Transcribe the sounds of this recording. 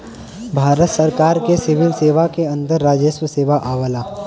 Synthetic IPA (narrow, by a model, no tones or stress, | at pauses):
bʱaːɾət̪səɾkaːɾkesɪʋɪlseːʋakeɐ̃nd̪əɾːaːd͡ʒeʃwəseːʋaʔaːʋəlaː